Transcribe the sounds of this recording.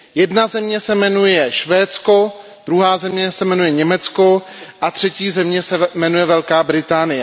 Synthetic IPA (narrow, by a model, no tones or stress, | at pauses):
jɛdnazɛmɲɛsɛmɛnujɛʃvɛːt͡sko | d̪̥ɾuɦaːzɛmɲɛsɛmɛnujɛɲɛmɛt͡skoʔat̪r̝̥ɛciːzɛmɲɛsɛmɛnujɛvɛlkaːbɾɪt̪aːnɪjɛ